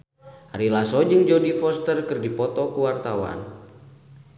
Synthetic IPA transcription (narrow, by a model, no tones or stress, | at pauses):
aɾilasɔd͡ʒɨŋd͡ʒodifɔst̪ərkɨrdipɔt̪ɔkuwart̪awa̰n